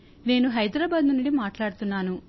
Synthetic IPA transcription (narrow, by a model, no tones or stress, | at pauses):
ne̞ːnuɦɐjd̪ɾaːbaːd̪nuniɖimaːʈlaːɽut̪unːaːnu